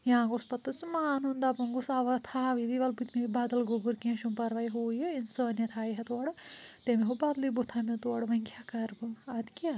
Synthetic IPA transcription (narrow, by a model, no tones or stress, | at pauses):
jaãɡospɐt̪ːɐsumanund̪aːpɐnɡosaːʋɐt̪ʰaːʋid̪iʋɐlbut̪mebaːd̪ɐlɡobuɾkẽʃumpɐɾʋaːiɦoːjeinsɐːnjɐt̪ʰaːjɦɐt̪oɐɽt̪emeɦobaːd̪libot̪ʰaːmiɐt̪oɐɽʋɐŋkʰʲjaːkɐɾbɨɐd̪kʲaː